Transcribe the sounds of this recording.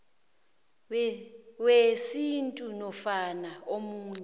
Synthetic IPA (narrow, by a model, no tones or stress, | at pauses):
wesintʼunɔfanaomuːɲɛ